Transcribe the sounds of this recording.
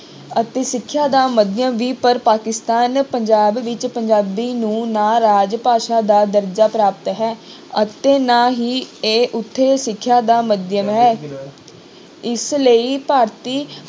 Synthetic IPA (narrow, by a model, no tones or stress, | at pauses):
ət̪eːsɪkʰːjaːd̪aːməd̪jəmʋiːpəɾpaːkɪst̪aːnpəɲd͡ʒaːbʋɪt͡ʃpəɲd͡ʒaːbiːnũːnaːɾaːd͡ʒpaːʃaːd̪aːd̪əɾd͡ʒaːpɾaːpt̪ɦɛː | ət̪eːnaːɦiːeːʔʊt̪ʰːeːsɪkʰːjaːd̪aːməd̪jəmɦɛː | ɪsləiːpaːɾt̪iː